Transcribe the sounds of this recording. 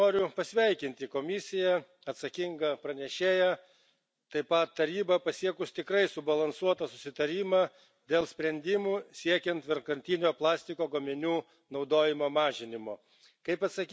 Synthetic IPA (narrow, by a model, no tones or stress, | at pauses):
oːɾʲʊpɐsʲʋʲɛɪkʲɪnʲt̪ʲɪkoːmʲɪsʲɪjɛ | ɐt̪sɐkʲɪŋɡɐpɾɐnʲɛʃʲeːjɛ | t̪ɐɪpɐt̪ːɐɾʲiːbɐpɐsʲiɛkʊst̪ʲɪkɾɐɪsʊbɐlˠɐnsuɔt̪ɐsʊsʲɪt̪ɐɾʲiːmɑː | d̪ʲeːlˠsʲpʲɾʲɛnʲd̪ʲɪmuːsʲiɛkʲɛnt̪ʋʲɪɾkɐnʲt̪ʲɪnʲoːplˠɑːsʲt̪ʲɪkoːɡomʲɪnʲuː | nɒʊd̪oːjɪmoːmɑːʒʲɪnʲɪmoː | kɐɪpɐt̪sɐkʲ